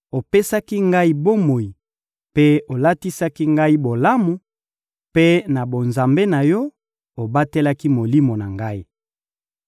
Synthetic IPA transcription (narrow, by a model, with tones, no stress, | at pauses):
o˨pe˦sa˦ki˦ŋɡa˦i˦bo˦mo˨i˨ | pe˦o˨la˦ti˦sa˦ki˦ŋɡa˦i˦bo˨la˦mu˨ | pe˦na˨bo˨nza˨mbe˦na˨jɔ˦ | o˨ba˦te˦la˦ki˦mo˨li˦mo˨na˨ŋɡa˦i˦